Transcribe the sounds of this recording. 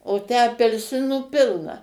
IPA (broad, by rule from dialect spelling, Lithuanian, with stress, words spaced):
oː ˈtʲæː ɐpʲɛlʲˈsʲɪnuː ˈpʲɪlˠnɐ